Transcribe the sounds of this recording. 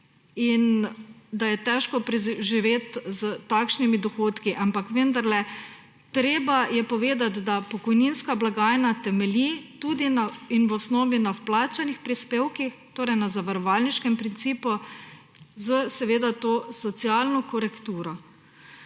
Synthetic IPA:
ind̪ajɛt̪ɛʃkɔpɾɛʒiʋeːt̪zət̪akʃnimid̪ɔxoːt̪kiʔampakʋənd̪aɾlɛ | t̪ɾeːbajɛpɔʋeːd̪at̪d̪apɔkɔjninskablaɡaːjnat̪ɛmɛlit̪ud̪inainʋɔsnɔːʋinawplaːt͡ʃanixpɾispeːwkixt̪oːɾɛjnazaʋaɾɔʋalniʃkɛmpɾint̪siːpɔ | zəsɛʋeːd̪at̪oːsɔt̪sialnɔkɔɾɛkt̪uːɾɔ

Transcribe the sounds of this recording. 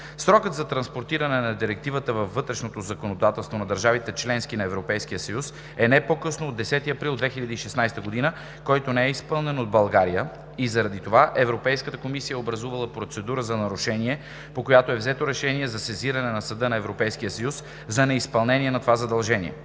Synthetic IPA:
sɾɔkət̪zɐt̪ɾɐnspoɾt̪iɾɐnɛnɐd̪iɾɛk̚t̪ivət̪əvɐvvːɤt̪ɾɛʃnot̪ozɐkonod̪at̪ɛlˠst̪vonɐd̪ɐɾʒavit̪ɛt͡ʃlɛnskinɐɛvɾopɛjskijəsɐjus | ɛnɛpokɤsnoːd̪ːɛsɛt̪iɐpɾilˠd̪vɛxiʎʲɐd̪əiʃɛsnajst̪əɡod̪inə | kɔjt̪onɛɛispɤlˠnɛnod̪̚bɐlˠɡaɾijə | izɐɾɐd̪it̪ovaʔɛvɾopɛjskət̪əkomisijəobɾɐzuvɐlˠəpɾot̪sɛd̪uɾəzɐnɐɾuʃɛniɛ | pokojat̪oɛvzɛt̪oɾɛʃɛniɛzɐsɛziɾɐnɛnɐsɐd̪ɤnɐɛvɾopɛjskijəsɐjus | zɐnɛispɐlˠnɛniɛnɐt̪ovazɐd̪ɐlˠʒɛnḭɛ̰

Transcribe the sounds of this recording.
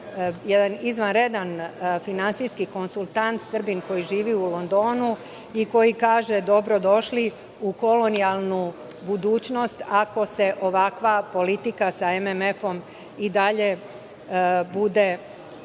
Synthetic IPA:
jed̪anizʋanɾe̞d̪anfinantsijskiko̞nsulˠt̪ant̪sr̩binko̞jiʒiːʋiulˠo̞nd̪o̞ːnu | iko̞jikaːʒe̞d̪o̞bɾo̞d̪o̞ʃli | uko̞lo̞nijalˠnu | bud̪uːt͡ʃno̞st̪ako̞se̞ʔo̞ʋakʋapo̞lit̪ikasae̞meme̞fo̞m | id̪aʎe̞ | bud̪e̞

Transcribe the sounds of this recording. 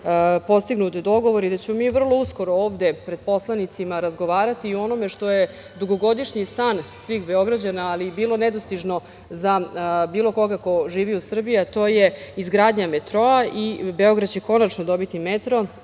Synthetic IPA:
po̞st̪iɡnut̪d̪o̞ɡo̞ʋoɾid̪at͡ɕe̞momiːʋr̩lˠo̞usko̞ɾooːʋd̪e̞pɾe̞d̪̚po̞slˠanit̪simaɾazɡo̞ʋaːɾat̪iuo̞no̞me̞ʂt̪o̞je | d̪uɡo̞ɡo̞d̪iʂɲisansʋiːxbe̞o̞ɡɾad͡ʑanaːlibiːlˠo̞nɛd̪ost̪iʐno̞ | zabiːlˠo̞ko̞ɡakoʒiːʋiusr̩bijat̪o̞ːje̞izɡɾaːd̪ɲamet̪ɾo̞aʔibe̞o̞ɡɾad̪̚t͡ɕeko̞nat͡ʃnod̪o̞bit̪imet̪ɾo̞

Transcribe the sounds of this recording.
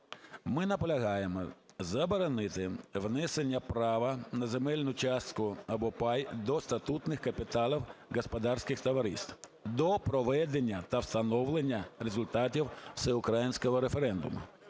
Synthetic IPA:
mɪnɐpɔlʲɐɦɑjemɔ̰zɐbɔɾɔnɪt̪ɪʋnɛsenʲːɐpɾɑʋɐnɐzemɛlʲnʊt͡ʃɑst̪kʊɐbɔpɑjd̪ɔst̪ɐt̪ut̪nɪxkɐpʲit̪ɑlˠiwɣɔspɔd̪ɑrsʲkɪxt̪ɐʋɐɾḭst̪d̪ɔpɾɔʋɛd̪enʲːɐt̪ɐwst̪ɐnɔwlˠenʲːɐɾezʊlʲt̪ɑtʲiwsɛʊkɾajinʲsʲkɔɦɔɾefeɾɛnd̪ʊ̰mʊ̰

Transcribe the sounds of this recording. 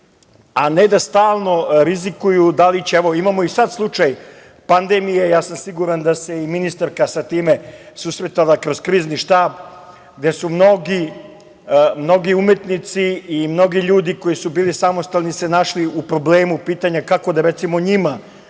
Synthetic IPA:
aned̪ast̪aːlˠno̞ɾizikujud̪alit͡ɕeeʋo̞imamo̞isad̪slˠut͡ʂaj | pand̪emijejaːsamsiɡuɾand̪ase̞iminist̪aɾkasat̪iːme̞ | susɾet̪alakɾo̞zkɾiːzniʃt̪aːb | ɡ̚d̪e̞sumno̞ɡi | mno̞ɡiumet̪nit̪siːmno̞ɡiʎuːd̪iko̞jisubiːlisamost̪alnise̞naʃliupɾo̞bleːmupiːt̪aɲakako̞d̪aɾet̪simo̞ɲima

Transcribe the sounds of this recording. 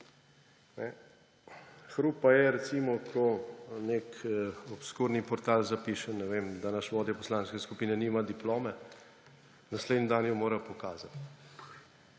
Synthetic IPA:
nɛ | xɾuːpajɛɾɛt̪simɔkʰɔnekɔpskuɾnipɔɾt̪aːlzapiʃɛnːɛʋemd̪anaʃʋɔːd̪jɔpɔslaːnskɛskupiːnɛnimad̪iploːmɛ | nasleːd̪nid̪anjɔmoːɾapɔkaːzat̪

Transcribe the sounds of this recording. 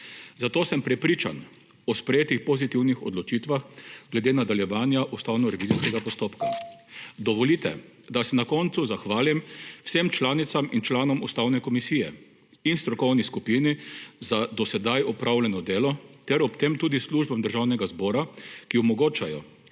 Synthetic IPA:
zat̪oːsəmpɾɛpɾiːt͡ʃa̰n | ɔspɾɛjeːt̪ixpɔzit̪iwnixɔ̰d̪lɔt͡ʃiːt̪ʋaxɡlɛd̪eːnad̪aljɛʋaːnjaʔust̪awnɔɾɛʋiːziskɛɡapɔst̪oːpka | d̪ɔʋɔlit̪ɛ̰ | d̪asɛnakɔnt̪suzaxʋaːlimwsemt͡ʃlaːnit̪samint͡ʃlaːnɔmust̪awnɛkɔmisiːjɛ | inst̪ɾɔkɔwniskupinizad̪ɔsɛd̪ajɔpɾʔawlɛnɔd̪eːlɔt̪ɛɾɔpt̪eːmt̪uːd̪isluʒbamd̪əɾʒawnɛɡazbɔːɾakiɔmɔɡoːt͡ʃajɔ̰

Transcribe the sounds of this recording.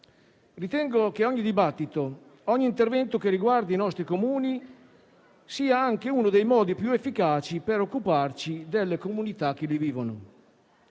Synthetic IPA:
rit̪ɛŋɡok̟eɔɲːid̪ibat̪ːit̪o | ɔɲːiːnt̪ervɛnt̪ok̟eriɡward̪iinɔst̪ɾikomuːni | siːaaŋk̟eunod̪ejmɔːd̪ipjuefːikaːt͡ʃipeɾokːupart͡ʃid̪elːekomunit̪ak̟ːeliviːvono̰

